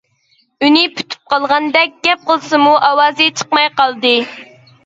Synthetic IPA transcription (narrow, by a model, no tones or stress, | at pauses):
ynɪpʰy̥t̪ʰy̥p̚qʰɑlˠʁɑnd̪ɛk̚ʲɡʲɛp̚qəlˠɨsɨmuʔɑwɑːzɨt͡ʃʰə̥qmɑjqɑlˠd̪ɨ